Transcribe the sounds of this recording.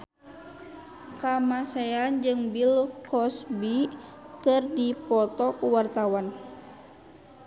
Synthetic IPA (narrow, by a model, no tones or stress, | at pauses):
kamaseand͡ʒɨŋbilkʰɔsbikɨrdipɔt̪ɔkuwart̪awan